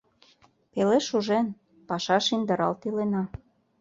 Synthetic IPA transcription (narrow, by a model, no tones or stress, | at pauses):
peleʃuʒen | pɑʃɑʃind̪ə̆ɾɑlt̪ilenɑ